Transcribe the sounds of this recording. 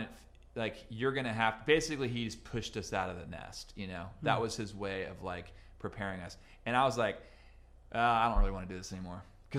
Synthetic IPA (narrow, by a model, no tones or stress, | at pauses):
nf | laɪkjə˞ɡʌñɨɦæfb̥eɪsɨkliid͡ʒʌspʰʊʃtʌsaʊɾʌvðɨnɛ̰stjɨnoʊðəʔ̚wʌz̥ɨzweɪʌvlaɪkpʰɹ̥ipʰɛɹɪ̃ŋʌs | ɨ̃ñaɪwʌzlaɪk | ʔʌaɪdõʊ̃n̚ʔɹɪliwɑ̃nɨdɨðɪsɛnimɔɹ | kʰʌ